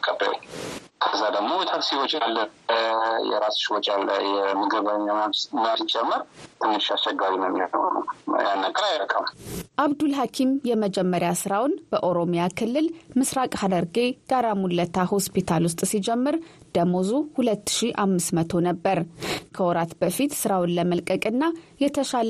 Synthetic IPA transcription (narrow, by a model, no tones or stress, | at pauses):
kʼːəbə̰kʰəzːad̪əɡmo̞bət̪ʰat̪siwɔt͡ʃʼalːə | jɛ̰ɾasʃiwɔt͡ʃʼalːə̰jɛməɡɨβaɲːamamsmasd͡ʒɛmːəɾt̪ʰɨmːɨʃast͡ʃːɛɡaɾiməmnət̪nə̰ja̰nːaɡʼəɾajɾəkʰʼəmʔaβd̪ulɦakʰimjɛməd͡ʒɛmːəɾjasɨɾawnb̥əʔo̞ɾo̞mjakʰɨlːɨlmɨsɾakʼhad̪əɾɡeɡ̥aɾamulːət̪ʰaho̞spit̪ʰalwʊs̬t̪ʼsid͡ʒɛmːɨɾd̪̥əmozuhulət̪ːɨ̥ʃiʔamːɨsmət̪ʰo̞nəbːəɾkʰəwɔɾat̪bəfit̪sɨɾawnləməlkʼəkʼɨnːajɛt̪ʰəʃal